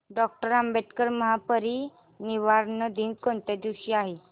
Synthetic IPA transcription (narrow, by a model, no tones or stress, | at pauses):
ɖɔk̚ʈəɾambet̪kəɾməɦapəɾiː | niʋaɾnəd̪iːnkɔnt̪ed̪iwɕiaɦe